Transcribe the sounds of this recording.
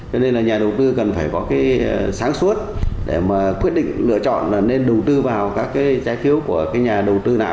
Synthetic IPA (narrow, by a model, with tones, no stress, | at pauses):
t͡ɕɔ˧ne˧nlaː˨˩ɲaː˨˩ɗə˨˩wt̪ɨ˧kə˨˩nfaː˧˩jkɔ˨˦kaː˨˦jsaː˨˦ŋsu˦˥ət̚ɗe˧˩maː˨˩kwi˦˥ət̚ɗḭ˧˨ŋ̟lɨ̰˧˨ət͡ɕɔ̰˧˨nlaː˨˩ne˧nɗə˨˩wt̪ɨ˧vaː˨˩wkaː˦˥kːaː˨˦jzaː˨˦jfʰi˨˦əwku˧˩əkaː˨˦jɲaː˨˩ɗə˨˩wt̪ɨ˧naː˨˩